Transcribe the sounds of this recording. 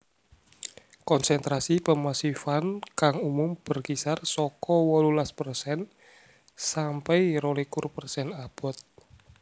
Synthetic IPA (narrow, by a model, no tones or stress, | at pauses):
kɔnsɛnt̪ɾasipəmasifankaŋumʊmb̥ərkisarsɔkɔwɔlulaspərsɛn | sampɛiɾolikʊrpərsɛnab̥ɔ̤t̪̚